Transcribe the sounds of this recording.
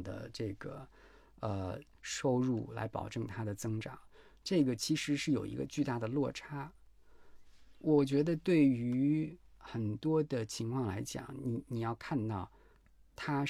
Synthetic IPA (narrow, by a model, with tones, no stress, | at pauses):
d̪ə̰˩ʈ͡ʂɤ˥˩ɡə̰˩ | ə˧ | ʂo˥ʊɻṵ˥˩la̰˧˥ɪpɑ̰˨˩ʊʈ͡ʂɤ˥˩ŋt̪ʰa˥d̪ə˨t͡sɤ˥ŋʈ͡ʂɑ̰˨˩˦ŋ | ʈ͡ʂɤ˥˩ɡə˩t͡ɕʰi˧˥ʂɻ̩˧˥ʂɻ̩˥˩jo˨˩ʊḭ˧˥ɡə̰˧t͡ɕy˥˧t̪a˥˩d̪ə˩lwɔ˥˩ʈ͡ʂʰa˥ | wɔ˨˩t͡ɕɥɛ˧˥d̪ə˧t̪we˥˩ɪy˧˥xə˨˩nt̪wɔ˥d̪ə˨t͡ɕʰi˧˥ŋkʰwɑ˥˩ŋla˧˥ɪt͡ɕjɑ̰˨˩˦ŋni˧˥ni˨˩jɑ˥˧ʊkʰa˥˧nt̪ɑ˥˩ʊ | t̪ʰa˥